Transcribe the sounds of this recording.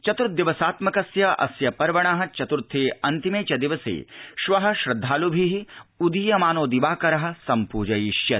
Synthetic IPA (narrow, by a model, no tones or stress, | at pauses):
t͡ʃɐt̪uɾ̚d̪ɪʋɐsaːt̪mɐkɐsjɐʔɐ̰sjɐpɐɾʋɐɽ̃aɦɐ̆t͡ʃɐt̪uɾt̪ʰːeːɐnt̪imeːt͡ʃɐd̪ɪʋɐsḛːʃʋɐɦɐ̆ʃɾɐd̪ʱːaːlubʱiɦiud̪ijɐmaːnoːd̪iʋaːkɐɾɐɦɐ̆sɐmpuːd͡ʒɐjiʃjɐ